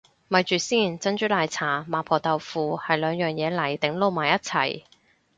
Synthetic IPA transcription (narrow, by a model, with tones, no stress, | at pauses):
mɐ˨˧jt͡ʃyː˨siː˥˩nt͡sɐ˥nt͡ʃyː˨˥laː˨jt͡sʰaː˨˩maː˨˧˥pʰɔː˨˩t̪ɐ˨wfuː˨˧hɐ˨jlœː˨˧ŋjœː˨˩ŋjɛː˨˧lɐ˨˩jt̪ɪ˨˥ŋlo˨˧wmaː˨˩jɐ˥t̚t͡sʰɐ̰˨˩j